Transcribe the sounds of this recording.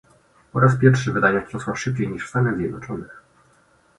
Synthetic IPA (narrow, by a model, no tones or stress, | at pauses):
ɔɾaspʲjɛɾfʂɛvɘd̪aɲakɔswaʂɘp̚t͡ɕejɲiʂfst̪anɛzʲjɛd̪nɔt͡ʂɔnɛ